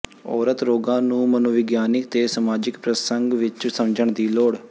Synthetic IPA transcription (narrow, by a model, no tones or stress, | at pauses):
ɔːɾət̪ɾoːɡãːnũːmənoʋɪɡjaːnɪkt̪eːsəmaːd͡ʒɪkpɾəsəŋɡʋɪt͡ʃsəmd͡ʒəɳd̪iːloːɽ